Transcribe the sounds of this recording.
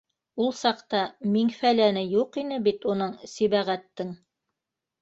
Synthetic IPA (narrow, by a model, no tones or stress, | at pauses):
ulˠsɑqt̪ɑmiŋfælænɘjuqinɘbit̪unɤɴsiβæʁæt̪ːɘŋ